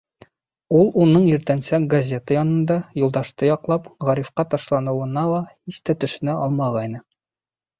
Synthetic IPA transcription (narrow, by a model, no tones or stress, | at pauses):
ulˠunɤɴiɾt̪ænsækɡɐzʲe̞t̪əjɒnɤ̆nd̪ɑjulˠd̪ɑʃt̪ɤjɒqlˠɑpʁɒɾifqɑt̪ɒʃlˠɑnɤ̆wɤ̆nɑlˠɑhist̪æt̪ɵ̆ʃɘ̆næʔɒlˠmɑʁɑjnɤ